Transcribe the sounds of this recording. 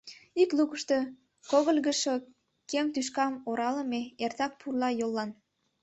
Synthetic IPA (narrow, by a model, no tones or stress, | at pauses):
iklukəʃt̪o | koɣəlʲɣəʃo | kemt̪yʃ̬kɑmoɾɑləmeert̪ɑk̚pʰurlɑjolːɑn